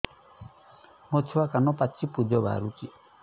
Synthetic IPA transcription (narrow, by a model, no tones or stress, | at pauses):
mɔt̪ʰiwakanɔpat͡ʃːipud͡ʒɔbʱa̰ɾuki